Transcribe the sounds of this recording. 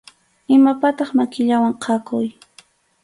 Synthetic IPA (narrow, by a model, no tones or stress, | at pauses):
ɪmapat̪ɑχmakɪʎawaŋqʰɑkʊj